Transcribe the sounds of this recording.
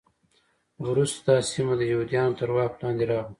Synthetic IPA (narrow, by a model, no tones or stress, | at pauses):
wɾust̪d̪ɑsimad̪əjawd̪ijɑnot̪əɾwɑplɑnd̪eɾɑɣu